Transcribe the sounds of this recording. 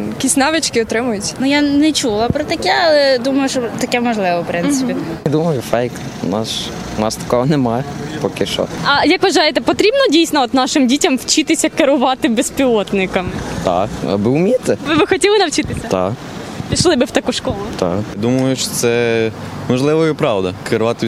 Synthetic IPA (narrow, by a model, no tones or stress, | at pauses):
jɐkʲisʲnɑʋɪt͡ʃkɪɔt̪ɾɪmʊjʊtʲnujanɛt͡ʃulˠɐpɾɔt̪ɐkɛɐlˠɛd̪umɐjʊʃɔt̪ɐkɛmɔʒlˠɪʋɐwpɾɪnsɪ̥id̪umɐjʊfɛjk | ʊnɑs | ʊnɑst̪ɐ̥kɔɦɔnemajpɔkɪʃɔ̰tɐjɐkʋɐʒɑjɛt̪ɛpɔt̪ɾʲibnɔdʲijsʲnɔɔt̪nɑʃɪmdʲitʲɐmwt͡ʃɪt̪ɪsʲɐkeɾʊʋɑt̪ɪbespʲilˠɔt̪nɪkɐmɪt̪a̰kɐ̰bɪʊmʲit̪ɪʋɪbɪxɔtʲilˠɪnɐwt͡ʃɪt̪ɪsʲɐt̪a̰k | pʲiʃlˠɪbɪwt̪ɐkuʃkɔlˠʊt̪a̰kd̪umɐjʊʃɔ̥t̪sɛ | mɔʒlˠɪʋɐjipɾɑwd̪ɐkeɾʊʋat̪ɪ